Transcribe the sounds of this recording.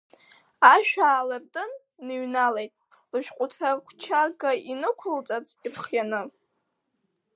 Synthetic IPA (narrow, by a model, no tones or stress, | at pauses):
aʃᶣaːlɨrtʼɨnː | ɨɥnalejtʼ | lɨʃᶣqʷʼʊtʰakʷʰt͡ʃʰaɡainɨkʷʰʊlt͡sʼat͡s | irχjanɨ